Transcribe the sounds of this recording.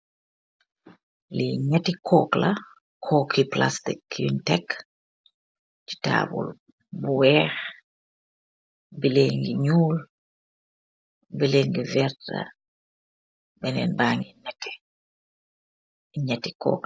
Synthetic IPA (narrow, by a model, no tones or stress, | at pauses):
liɲatikʰɔːkla | kʰɔːkipla̰stikjṵntɛk | ti̥ta̰ːbṵl | buwɛːx | bileŋɡiɲuːl | bileŋɡivɛɾta̰ | bɛnɛ̰nbaːŋɡinɛkːɛ̥ | iɲati̥kɔ̰ːk